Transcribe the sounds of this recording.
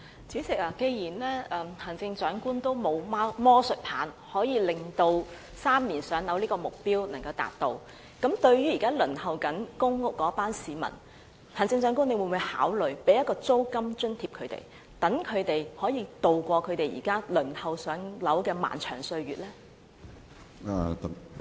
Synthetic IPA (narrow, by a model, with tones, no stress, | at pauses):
t͡siː˨˥sɪ˨k̚aː˨˩ke˧jjiː˨˩nlɛː˥ʔɛː˨˩mhʰa˨˩nt͡sɪ˧ŋt͡ʃœː˨˥ŋkuː˥nt̪o˥wmo˨˧wmaː˥mɔː˥sɵ˨t̚pʰaː˨˥n | hɔː˨˥jiː˨˧lɪ˨ŋt̪o˧w | saː˥mliː˨˩nsœː˨˥ŋlɐ˨˥wliː˥kɔː˧mʊ˨k̚piː˥wnɐ˨˩ŋkɐ˧wt̪a̰ː˨˩t̚t̪o˧w | kɐ˨˥mt̪ɵ˧ɥɥyː˥ji˨˩kaː˥lɵ˨˩nhɐ˨wkɐ˨˥nkʊ˥ŋʊ˨kːɔː˨˥paː˥nsiː˨˧mɐ̰˨˩n | t̪ʰaː˨˩nt͡sɪ˧ŋt͡ʃœː˨˥ŋkuː˥ne˨˧jwuː˨˩nmuː˨˧jha̰ː˨˥wlɵ˨ɥpe˨˥jɐ˥kɔː˧t͡so˥wkɐ˥mt͡ʃɵ˥nt̪ʰiː˧p̚kʰɵ˨˧ɥt̪ḛ˨˩j | t̪ɐ˨˥ŋkʰɵ˨˧ɥt̪e˨jhɔː˨˥jiː˧t̪o˨wkʷɔː˧kʰɵ˨˧ɥt̪e˨jḭː˨˩kaː˥lɵ˨˩nhɐ˨wsœː˨˥ŋlɐ˨˥wkɛː˧ma̰ː˨˩nt͡ʃʰœ̰ː˨˩ŋsɵ˧ɥɥyː˨t̚lɛː˥ | a˨t̪